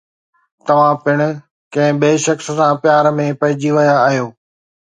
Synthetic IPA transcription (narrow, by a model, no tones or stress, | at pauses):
t̪ɐʋ̤ãpɪɽ̃ʊ̆ | kɐ̃ɦɪ̃beːʃɐksə̆sãpɪjaːɾmẽpɐɦɪd͡ʑiʋɐjaːɦijoː